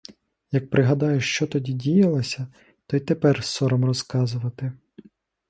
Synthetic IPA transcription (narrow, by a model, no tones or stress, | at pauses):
jɐk̚pɾɪɦɐd̪ɑjʊʃt͡ʃɔt̪ɔdʲidʲijɐlˠɐsʲɐ | t̪ɔjt̪epɛrsɔɾɔmrɔskɑzʊʋɐt̪ɪ